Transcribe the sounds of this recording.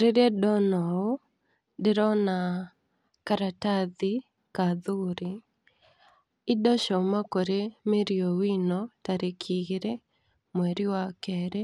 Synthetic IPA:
ɾeɾedɔnɔo | dɪɾɔna | kaɾataði | kaðuɾi | ɪdɔʃɔmakoɾemeɾiowinɔtaɾekʰiɣeɾe | mwɛɾiwakɛɾe

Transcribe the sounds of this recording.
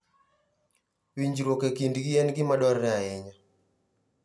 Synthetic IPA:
wiɲd͡ʒiɾwɔkekindɡijanɡimaɗwaɾːaɛɲa

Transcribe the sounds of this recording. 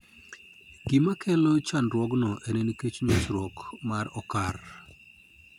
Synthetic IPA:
ɡ̥ɪmakʰɛlot͡ʃanɾwɔɡnɔʔeneniket͡ʃɲot͡ʃɾɔkmaɾɔkar

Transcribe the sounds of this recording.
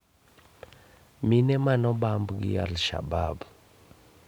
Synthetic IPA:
minɛmanɔɓambuɡḭa̰lʃa̰baːbu

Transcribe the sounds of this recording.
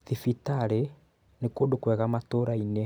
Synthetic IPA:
ðifitaɾe | nekodokwɛɣamatoɾaine

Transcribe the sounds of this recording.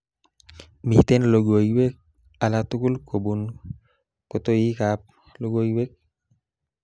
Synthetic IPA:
miht̪ɛnloɡojbɛk̚ | alat̪ukulkobun | kɔt̪oikap̚ | loɡojbɛk̚

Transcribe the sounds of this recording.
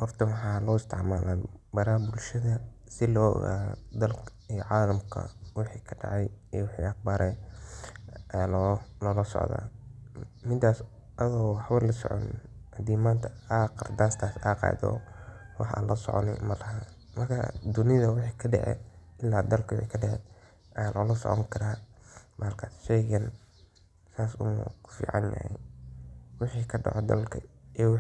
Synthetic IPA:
ʔhɔrt̪ʰɐwɑħɑːlɔːɪst̪ʰɪʕmaːlaːbɐɾaːbʊlʃɐðɐ | sɪlɔːɔ̰ɣa̰ːd̪ɐlkʰ | ijɔʕɑːlɐmkʰɐ̰wɪħiːkʰɐ̥ɖɑ̰ʕɑjijwɪħḭːɐqbaːɾʔɛ | ɛlɔlɔːlɐsɔ̰ʕða̰ː | mɪd̪aːs | ʔɐðɔwħɑβɐlɐsɔ̰ʕɔ̰n̰hɐd̪iːmaːnt̪ʰɐaqɪrd̪aːst̪ʰaːsaːqɑ̰ːd̪ɔ̰ːwɑħa̰ːnlɐsɔ̰ʕɔ̰nɪ̰mɐlɐhaː | mɐrkʰɐ̰d̪ʊnɪðɐwɪħɑjkʰɐɖɛʕɛ̰ːd̪ɪlːaːd̪ɐlkʰwɛkʰɐɖɛʕɛ̰ːd̪ | ʔɐjaːlʔɔːlɐsɔ̰ʕɔŋkʰɐɾaːmaːlkʰaːsʃɛjɣɐn | saːsʊ̰mṵkʰʊ̥fḭːʕɑ̰njɐ̰hɛ̰j | wɪħiːkʰɐɖɑ̰ʕɔd̪ɐ̰lkʰɐɛːw

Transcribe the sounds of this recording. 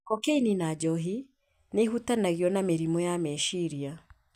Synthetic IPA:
kɔkeininad͡ʒɔɦi | neɦutanaɣiɔnameɾimɔjamɛʃiɾia

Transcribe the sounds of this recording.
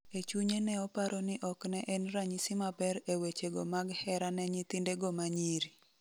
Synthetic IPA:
et͡ʃuɲenɛɔpaɾɔnɪʔɔknɛʔɛnɾaɲisimabɛɾewet͡ʃeɡɔmaɡhɛɾanɛɲit̪indeɡɔmaɲiɾi

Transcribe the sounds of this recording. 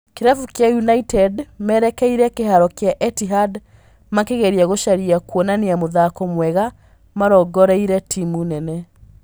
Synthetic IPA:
keɾafukjajunaitɛdmɛɾɛkɛiɾɛkeɦaɾɔkeaʔɛtiɦad | makeɣeɾiaɣoʃaɾiakwonaneamoðakɔmwɛɣa | maɾɔɡɔɾɛiɾɛtʰimunɛnɛ

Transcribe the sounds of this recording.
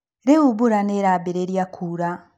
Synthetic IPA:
ɾeuβuɾaneɾabeɾeɾjakʰuɾa

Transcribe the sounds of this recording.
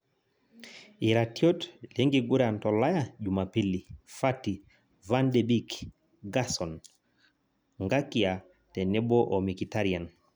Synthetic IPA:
iɾatiɔtlɛŋɡiɡuɾantɔlajaʄumapilifati | vandɛbik | ɡasɔn | ŋɡakia | tɛnɛbɔʔɔmikitaɾian

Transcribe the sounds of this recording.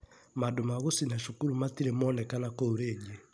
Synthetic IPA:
madomaɣosinaʃukuɾumatiɾemɔːnɛkanakooɾeːɡe

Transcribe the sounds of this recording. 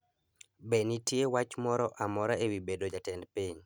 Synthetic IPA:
benitjewat͡ʃmɔɾɔʔamɔɾaewibedod͡ʒatɛndpiɲ

